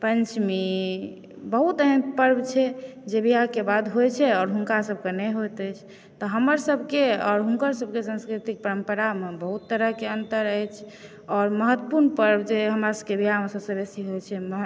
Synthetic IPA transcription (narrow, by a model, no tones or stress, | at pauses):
pənt͡ʃmi | bəɦut̪əɦənpəɾbt͡ʃʰɛd͡ʒebiɦakebad̪ɦojt͡ʃʰɛɔːɾɦuŋkasəb̚kenɛɦot̪əjt͡ʃʰ | t̪ɔɦəməɾsəbʱkeɔːɾɦuŋkəɾsəb̚kesãnskɾit̪ik̚pəɾəmpəɾamebəɦut̪ːəɾəɦkeənt̪əɾəjt͡ʃʰ | ɔɾməɦət̪ːəpuɾnpəɾbd͡ʒeɦəmɾasəb̚kebiɦamesəbsəbesiɦojt͡ʃʰɛməɦ